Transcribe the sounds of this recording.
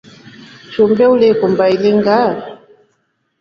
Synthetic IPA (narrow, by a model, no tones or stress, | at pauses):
t͡ʃumbɛulikumbailiŋɡa